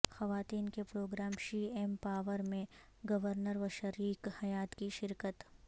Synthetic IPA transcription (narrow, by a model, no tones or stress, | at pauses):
xɐʋaːt̪iːnkepɾoːɡɾaːmʃiːempaːʋəɾmẽ | ɡɐʋəɾnəɾʋɐʃəɾiːkhɐjaːt̪kiʃɪɾkət̪